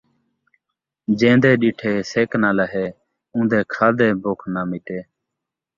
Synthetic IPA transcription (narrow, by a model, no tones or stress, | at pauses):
d͡ʒẽːnd̪eːɗiːʈʰeːseːknãːlaɦeː | ũːd̪eːkʰaːd̪eːboːkʰnaːmiːʈeː